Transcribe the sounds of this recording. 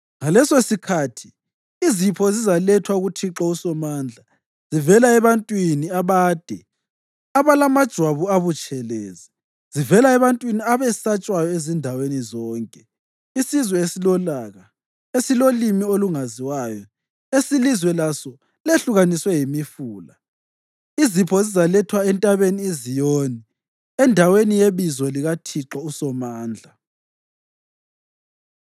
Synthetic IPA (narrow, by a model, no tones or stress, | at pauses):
ŋalɛsesikʰatʰiː | zipʰɔzizalɛtʰwauɣutʰiǁausɔmaːnd͡ɮʱa | z̥ivɛlaɛβantʼwiniaβaːd̥ʱɛ | aβalamad̥ʒ̥ʱwaβuaβut͡ʃʼʰɛlɛːzɛ | z̥ivɛlaɛβantʼwiniaβɛsat͡ʃʼwajɔezindʱawenizɔːŋkʼɛ | isizwɛesilɔlaɣa | esilolimioluŋaziwaːjɔ | esilizwɛlasɔ | leɬuɣaniswɛjimifuːla | izipʰɔzizalɛtʰwaɛntʼaβeniezijoːni | ɛndʱawenijeβizɔliɣatʰiǁɔusɔmaːnd͡ɮʱa